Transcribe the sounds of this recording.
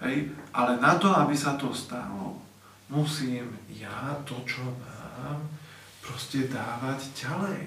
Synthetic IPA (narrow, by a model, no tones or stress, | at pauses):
ɦɛjʔalɛnat̪ɔabisat̪ɔst̪a̰lɔ̰ | musiːmjat̪ɔt͡ʃɔmaːm | pɾɔscɛd̪aːʋaɟɟalɛj